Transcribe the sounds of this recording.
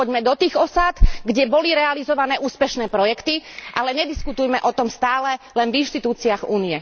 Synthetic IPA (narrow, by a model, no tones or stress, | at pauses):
ɔɟmɛd̪ɔt̪iːɣɔsat̪ɡɟɛbɔliɾɛalizɔʋanɛːʔuːspɛʃnɛːpɾɔjɛkt̪iʔalɛɲɛd̪iskut̪ujmɛʔɔt̪ɔmst̪aːlɛlɛnvinʃt̪it̪uːt͡siaɣuːniɛ